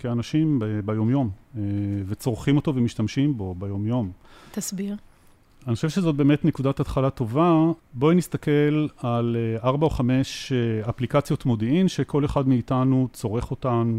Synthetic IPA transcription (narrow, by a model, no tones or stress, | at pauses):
keanaʃimbebajo̞mjo̞meve̞t͡so̞ʁχimo̞to̞vemiʃtamʃimbo̞bejo̞mjo̞mt̪asbiʁ | aniχoʃevʃezo̞t̚be̞ːme̞tne̞kudatat̪χalato̞vabo̞inist̪ake̞lalaʁbaoχame̞ʃaplikat͡sjo̞tmo̞diimʃekʰo̞leχadmeːtanut͡so̞ʁe̞χo̞tan